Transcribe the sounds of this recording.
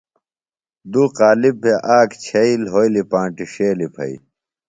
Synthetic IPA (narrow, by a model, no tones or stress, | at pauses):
d̪uːqaːlibʱeʔaːkt͡ɕʰɐilɦoilipãːʈiɕeːlipʰɐ̰ḭ